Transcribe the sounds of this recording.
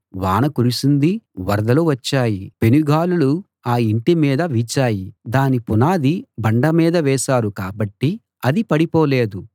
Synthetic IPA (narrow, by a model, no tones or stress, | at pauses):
ʋaːnɐkuɾisund̪iʋɐɾɐd̪ɐloʋɐt͡ʃːaːjipenuɡaːlulu | aːiɳʈimiːd̪ɐʋit͡ʃaːjid̪aːnipunaːd̪ibɐɳɖɐmiːd̪ɐʋɛːʃaːɾukaːbɐʈːi | ɐd̪ipɐɽipoːleːd̪u